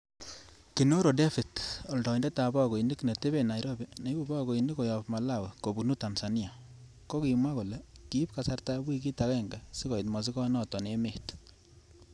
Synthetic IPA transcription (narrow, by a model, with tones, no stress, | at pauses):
ki˨no˦ɾo˨de˦fi˨tɔ˨ldɔ˨nde˦ta˨ba˦˨ko˨i˨ndi˦kne˨te˦be˨na˨jɾo˦be˨na˨i˦bu˦ba˦ko˨i˨ndi˦kɔ˨ja˨pma˨la˦˨wɛ˨ko˨bunu˦ta˨nsa˨ni˦a˨ | ko˦ki˨ma˦ko˨lɛ˨ki˦p̚ka˨sa˦rta˦bwi˦ki˦takɛ˦ŋɡa˨si˦kɔ˨i˨tma˨s̬i˦kɔ˦nɔ˦tɔ˨neme˨t